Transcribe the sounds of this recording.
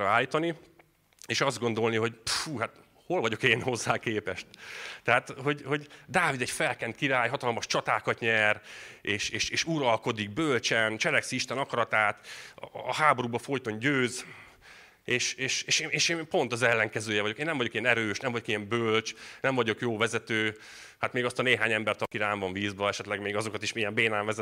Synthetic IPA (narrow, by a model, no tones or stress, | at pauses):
aːlːit̪ɒni | eːʃɒzd̪ɡo̞nd̪o̞lniɦo̞ɟfuːɦat̪ | ho̞lvɒɟo̞keːnho̞zːaːkeːpɛʃt̪t̪ɛɦaːt̪ɦo̞ɟho̞ɟd̪aːvid̪ɛɟfɛlkɛnt̪̚kiɾaːjɦɒt̪ɒlmɒʃt͡ʃɒt̪aːkɒt̪ɲɛreːʃeːʃeːʃuɾɒlko̞d̪iɡ̚bølt͡ʃɛnt͡ʃɛlɛksiiʃt̪ɛnɒkɒɾɒt̪aːt̪ː | ɦaːbo̞ɾuːbɒfo̞jt̪o̞ɲɟøːz | eːʃeːʃeːʃeːneːʃeːpo̞nt̪ɒzɛlːɛŋkɛzøːjɛvɒɟo̞keːnːɛmvɒɟokijɛnɛɾøːʃnɛmvɒɟo̞kijɛmbølt͡ʃnɛɱmvɒɟo̞kjoːvɛzɛt̪øː | hat̪meːɡɒst̪ɒneːɦaːɲɛmbɛrt̪ɒkiɾaːɱvɒɱviːzbɒɛʃɛt̪lɛɡmeːɡɒzokɒt̪iʃmijɛmbeːnaːɱvɛzɛ